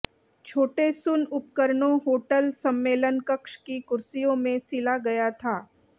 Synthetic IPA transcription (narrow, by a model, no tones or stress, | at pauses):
t͡ʃʰoːʈesʊnʊp̚kəɾnõɦoːʈəlsɐ̃mːeːlənkəkʃkikʊɾsijõmẽsɪlaɡɐjat̪ʰaː